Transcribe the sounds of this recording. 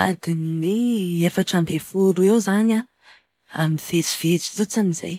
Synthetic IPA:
a̰d̪ineefaʈ͡ʂambefuɾuewzana | amiiv̥et͡si̥v̥et͡si̥zot͡sanizḛj

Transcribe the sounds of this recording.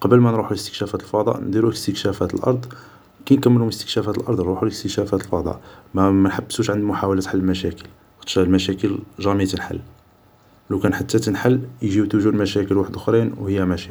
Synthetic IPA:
qɑbəlmænɾˤuħuləst̪ə̥kʃæfæt̪əlfɑd̪ˤɑ̰ʔnd̪iɾuəst̪əkʃæfæt̪əlʔɑ̰ɾˤd̪ˤ | kinkəmːəluhʊməst̪ə̥kʃæfæt̪əlʔɑɾˤd̪ˤnɾuħuləkt̪əʃæfæt̪əlfɑd̪ˤɑ̰ʔmæmænħabːəsuʃʕənd̪mʊħawælæt̪ħalːəlmæʃækəl | t̪ʃælmæʃækəlʒɑmət̪ənħa̰lː | læwkænħat̪ːæt̪ənħalːjʒiwt̪uʒud̪mæʃækəlwaħəd̪ʊxɾinwhəjːæmæʃæ

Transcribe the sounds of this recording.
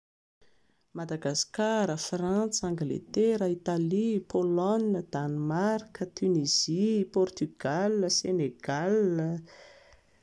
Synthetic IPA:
mad̪aɡaskaɾəfrant͡saŋɡlḛt̪eɾəit̪alipʰɔlɔnəd̪̥anmarkət̪ʰyniz̥ipɔrt̪yɡ̥aləseneɡ̥alə

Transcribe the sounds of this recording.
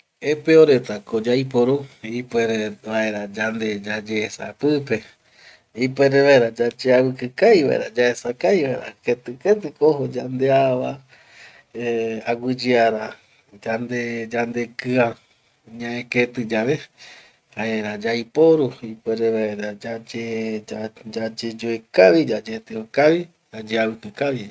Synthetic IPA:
epeoɾet̪akod͡ʒajp̬oɾuipeɾeβaeɾad͡ʒand̪ed͡ʒad͡ʒeːsa̰pɨpe̞ | ipeɾeβaeɾad͡ʒat͡ʃeawɨkɨkajβa̰ḛɾad͡ʒaesakajβaḛɾa̰ket̪ɨket̪ɨkoɦod͡ʒand̪eaβa | aɡʷɨd͡ʒiaɾa | d͡ʒand̪ed͡ʒand̪ekɨa | ɲãẽket̪ɨd͡ʒaβe | haeɾad͡ʒajpoɾuipeɾeβaeɾad͡ʒad͡ʒead͡ʒad͡ʒed͡ʒoekaβid͡ʒad͡ʒet̪eokaβi | ad͡ʒeaβɨkɨkaβi

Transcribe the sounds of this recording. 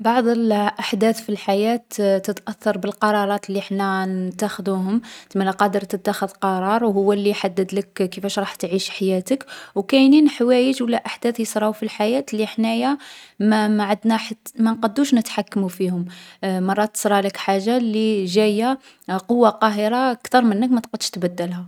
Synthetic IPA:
bɑʕd̪ˤəlʔaħd̪æθfilħajæt̪t̪ət̪ʔæθːɑɾˤbəlqɑɾˤɑɾˤɑt̪lːiħnænt̪ːæxd̪uɦʊmt̪mælæqɑd̪əɾt̪ət̪ːaxəd̪qɑɾˤɑɾˤwɦʊwːælːiħad̪ːəd̪ləkkəfæʃɾˤɑħt̪ʕiʃħajæt̪əkwkæjninħwæjəd͡ʒwlːæʔaħd̪æθjəsˤɾˤɑwfilħajæt̪lːiħnæjæmmæʕad̪næħat̪ːmænqɑd̪ːuʃnət̪ħakːmufihʊmmɑrˤːɑt̪ːə̥sˤɾˤɑləkħaʒːaliʒæja | qowːaqɑɦəɾɑkt̪ɑɾˤmənːəkmæt̪qəd̪ʃt̪bæd̪ːælhæ

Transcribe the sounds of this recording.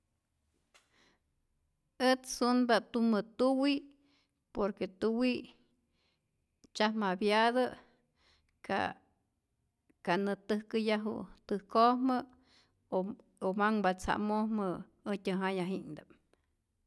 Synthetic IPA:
ət͡ssunbat̪umət̪uwi | poɾket̪uwi | t͡ʃahmabjaðə | ka̰ | kanət̪ɨhkɨjaɦṵt̪ɨhkohmə | o | omaŋbat͡sa̰ʔmohmə | ət̪ʲəɦajaɦind̪am

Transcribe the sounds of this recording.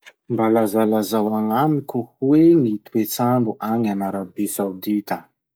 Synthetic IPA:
mbalazalazawaŋamikuhwenit̪uet͡saɳbuʔaŋanaɾabesawd̪it̪ə

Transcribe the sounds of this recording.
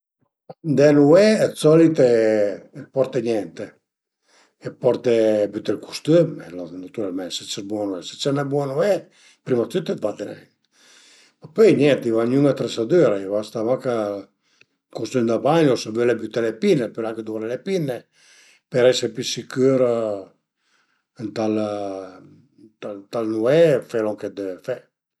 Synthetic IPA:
and̪ɛnuɛːt͡sɔlit̪eɛpɔɾt̪eɲɛnt̪e | ɛpɔɾt̪ebyt̪ɛlkʰu̥st̪ymɛlɔnat̪uɾalmɛnsɛt͡ʃɛɾbwɔnuɛsɛ̥t͡ʃɛnɛbwɔnuɛ | pɾimat̪yt̪ɛt̪bat̪ɛnɛ̰n | mapøjɲjɛnt̪ivaɲuŋat̪ɾesad̪øɾaivast̪amaka | kust̪ønd̪abaɲɔsabølebyt̪ɛlepinːepølaŋked̪uɾelepinːe | pɛɾɛsɛpysikøɾ | nt̪al | t̪at̪alnuɛfɛlɔŋked̪efɛ

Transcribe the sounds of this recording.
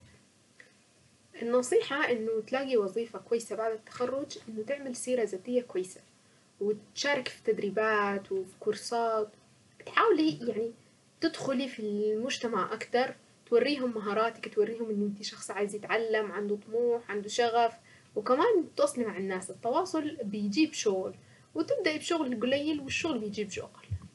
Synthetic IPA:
ʔɪnːɑsˤiːħɑʔɪnːʊt̪laːɡiwɑzˤiːfakwajːsabaʕd̪at̪ːḁxarːʊd͡ʒʔɪnːʊt̪ɪʕmɪlsiːɾazaːt̪ɪjːakwajːsḁ | wɪt̪ʃaːɾˤɪkfi̥t̪ːad̪ɾiːbaːt̪wɪfi̥kʊɾsˤɑːt̪ˤ | b̥ɪt̪ħaːwlijaʕni | t̪ɪd̪xʊlifilmʊd͡ʒt̪amaʕʔakt̪ɑɾˤ | t̪warːiːɦʊmːaɦɑːɾˤɑːt̪akt̪warːiːhʊmʔɪnːʔɪnt̪iʃɑxsˤʕaːjɪzjɪt̪ʕalːamʕand̪ut̪ˤmuːħʕand̪uʃaɣaf | wɪkamaːnt̪ɑsˤlimaʕanːaːsɪt̪ˤːɑwɑːsˤʊlbɪjd͡ʒiːbʃʊɣl | wɪt̪ɪb̚d̪aʔibʃʊɣlɪlɡʊlajːɪlwɪʃːʊɣlbɪjd͡ʒiːbʃʊ̰ɣl

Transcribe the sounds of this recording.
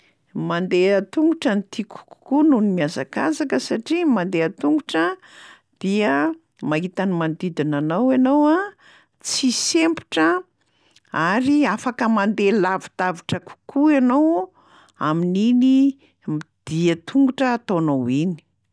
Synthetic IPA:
mand̪eət̪uŋɡuʈ͡ʂənit̪iku̥ku̥kununimiazakazakəsaʈ͡ʂimand̪eat̪uŋɡuʈ͡ʂə | d̪̥iə | maɦit̪animand̪id̪inanawanowa | t͡sisempi̥ʈ͡ʂə | aɾiafakəmand̪elavi̥t̪aviʈ͡ʂəku̥kuanow | a̰minini | mid̪̥iət̪ʰuŋɡuʈ͡ʂəːt̪onowini̥

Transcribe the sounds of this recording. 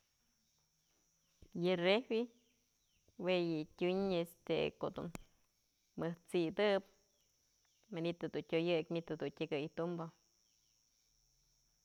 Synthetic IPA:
jɨrewi | wejɨtʲuɲest̪ḛko̰ʔd̪ṵn | mɨht͡siʔd̪ɨp | manit̪ɨd̪untʲojɨkmit̪ɨd̪untʲɨɡɨjt̪umbo

